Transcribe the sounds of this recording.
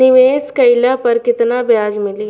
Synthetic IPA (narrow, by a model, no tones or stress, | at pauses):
ɪʋeːskɐɪlapɐɾkɪt̪naːbjaːd͡ʒmɪli